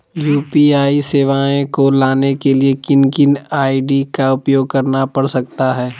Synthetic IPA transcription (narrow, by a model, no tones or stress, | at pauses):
juːpiaːiseːʋaːẽkolaːnekeliekɪnkɪnaːiɖikaʊpjoːɡ̚kɐɾnapɐɽsɐk̚t̪aɦɛː